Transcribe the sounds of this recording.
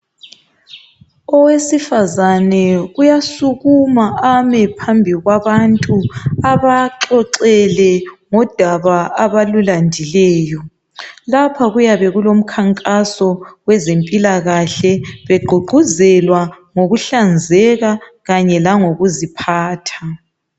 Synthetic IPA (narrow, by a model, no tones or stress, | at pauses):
ɔwesifazanɛɣujasuɣumaʔamɛpʰambʱiɣwaβantʼuaβaǁɔǀɛlɛŋɔd̥ʱaβaaβalulandʱilɛːjɔ | lapʰaɣujaβɛɣulom̩kʰaŋkʼasɔɣwɛzempʼilaɣaɬɛβɛɡ͡ǃʱuɡ͡ǃʱuzɛlwa | ŋoɣuɬand͡zʱɛɣaɣaɲɛlaŋoɣuzipʰaːtʰḁ